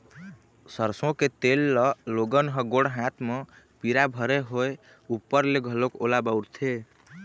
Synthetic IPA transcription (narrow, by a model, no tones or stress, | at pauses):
səɾsõket̪elːɔloɡənɦəɡoɽɦat̪ʰme | piɾabʱəɾeɦoe | upːəɾleɡʱəlokolabəwɾt̪ʰe